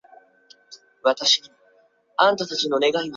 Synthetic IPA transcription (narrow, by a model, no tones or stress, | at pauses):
βat̪aɕin | ãnt̪at̪at͡ɕino̞ne̞ɡain